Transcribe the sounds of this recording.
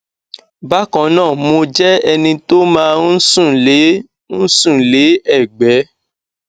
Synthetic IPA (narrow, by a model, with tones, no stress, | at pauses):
ba˦kɔ̃˨˦nãː˦˨mo˧d͡ʒɛ˦ɛ˧nĩ˧to˦mãː˦sũ˦˨le˨˦ | ñ̩˦sũ˦˨le˨˦ɛ˦˨ɡ͡bɛ˨˦